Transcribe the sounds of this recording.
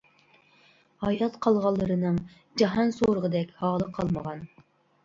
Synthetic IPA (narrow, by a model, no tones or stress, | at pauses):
hɑjɑt̪qʰɑlˠʁɑlˠːəɾɨnɨŋ | d͡ʒɑɦɑnsoɾəʁəd̪ɛkʲhɑːlˠəqʰɑlˠməʁɑn